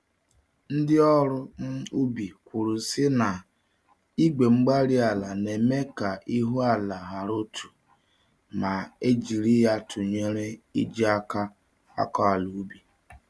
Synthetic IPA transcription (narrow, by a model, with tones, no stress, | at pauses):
n̩˦dɪ˦ɔ˦ɾʊ˦m̩˦u˦bi˨kʷu˨ɾu˨sɪ˦na˨ | i˦ɡ͡be˨ŋ͡m̩˦ɡ͡ba˦ɾi˦a˨la˨ne˨me˦ka˨ʔi˦ɦu˦a˦la˨ɦa˨ɾo˦tʰu̥˨ | ma˨e˦d͡ʒi˨ɾi˦ja˦tʰʊ˨ɲe˦ɾe˦ḭ˦d͡ʒi˦a˦ka˦ | a̰˦kɔ˦a˨lu˨˦bi˨